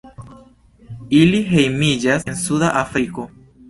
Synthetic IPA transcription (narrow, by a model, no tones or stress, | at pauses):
iliɦe̞jmid͡ʒasensudaʔafɾiko̞